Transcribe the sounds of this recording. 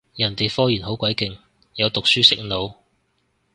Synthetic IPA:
jɐ˨˩nt̪e˨jfɔː˥jiː˨˩nhɦo˨˥wkʷɐ˨˥jkɪ˨ŋ | jɐ˨˧wt̪ʊ˨k̚syː˥sɪ˥k̚no˨˧w

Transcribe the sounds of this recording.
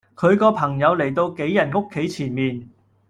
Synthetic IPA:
kʰɵ˨˧ɥkɔː˧pʰɐ˨˩ŋjɐ˨˧wle˨˩jt̪o˧wke˨˥jːɐ˨˩nŋo˥kʰːe˨˥jt͡sʰiː˨˩nmiː˨n

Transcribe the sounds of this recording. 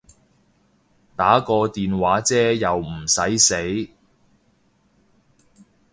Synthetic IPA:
t̪aː˨˥kɔː˧t̪iː˨nwaː˨˥t͡sɛː˥jɐ˨wm̩˨˩sɐ˨˥jse˨˥j

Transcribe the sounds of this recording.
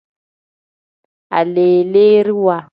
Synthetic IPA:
a̰˨leː˨le˦ɾi˦wa˨

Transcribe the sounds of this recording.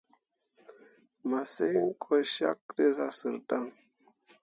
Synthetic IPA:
ma˨se˦ŋ̩˦kʼʰo˦ʃa̰˦k̚de˦za˦sɨ̰˨ɾta˦ŋ

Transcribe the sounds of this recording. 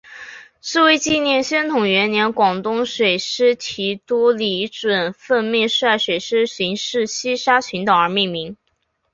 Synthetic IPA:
ʂɻ̩˥˩we˥ɪt͡ɕi˥˧njɛ˥˩nɕjɛ˥nt̪ʰʊ˨˩ŋɥɛ˧˥njɛ˧˥nkwɑ˨˩ŋt̪ʊ˥ŋʂwe˨˩ɪʂɻ̩˥t͡ɕʰi˧˥t̪ɔ˥li˧˥ʈ͡ʂwə˨˩nfə˥˧nmjɛ˥˧ʂ̩˥a˥˩ɪʂwe˨˩ɪʂɻ̩˥ɕi˧˥ŋʂɻ̩˥˩ɕi˥ʂa˥t͡ɕʰy˧˥nt̪ɑ˨˩ŋə˞˧˥mi˥˩ŋmi˧˥ŋ

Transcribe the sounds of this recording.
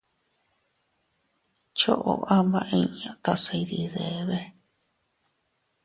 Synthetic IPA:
t͡ʃo˦ʔo̰˨ʔa˦βã˦˧ʔẽ˧ɲã˨˧t̪a˧sa˧i˧ði˧ðe˨βe˦

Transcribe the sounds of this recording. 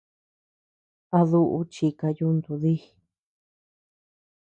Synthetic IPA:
a˧ðu˧ʔṵ˧˦t͡ʃi˧ka˧ju˦nd̪u˧ði˦

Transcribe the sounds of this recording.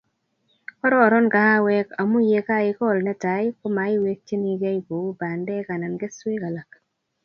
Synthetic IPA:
kɔ˦ɾɔː˦˨ɾɔ˦nka˨ha˦wɛ˦ka˨mu˦je˧ka˦ɪ˦kɔ˦˨lnɛ˦ta˨˦jko˦ma˨˦ɪ˦we˦k̚t͡ʃe˦ni˨˧ɡa˦i˨bo˨u˦ba˨ndɛ˦ka˨na˨nɡe˦swɪ˦ka˨la˨k

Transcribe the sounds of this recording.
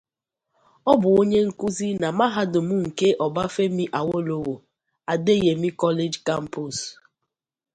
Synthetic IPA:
ɔ˦bʊ˨o˦ɲe˦ŋ̩˨ku˦zi˦na˨ma˦ɦa˦dʊ˨mʊ˦ŋ̩˨ke˦ʔɔ˨ba˦fe˦mi˦ʔa˨wo˦lo˨wo˨ | a˨de˦je˨mi˦kɔ˦le˦d͡ʒka˦m̩˦pu˨s

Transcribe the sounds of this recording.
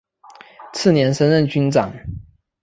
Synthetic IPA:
t͡sʰɹ̩˥˩njɛ˧˥nʂə˥nɻə˥˨˩nt͡ɕy˥nt͡sɑ˨˩˦ŋ

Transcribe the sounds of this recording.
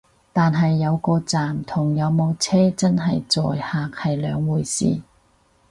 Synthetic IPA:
t̪aː˨nɦɐ˨jːɐ˨˧wkɔː˧t͡saː˨mt̪ʰʊ˨˩ŋjɐ˨˧wmo˨˧wt͡sʰɛː˥t͡sɐ˥nɦɐ˨jt͡sɔ̰ː˨jhaː˨k̚hɐ˨jlœː˨˧ŋwuː˨˩jsḭː˨˩

